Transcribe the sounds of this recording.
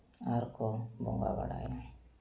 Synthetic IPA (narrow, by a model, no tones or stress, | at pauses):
aɾkobo̰ŋɡa̰ba̰ɽa̰ja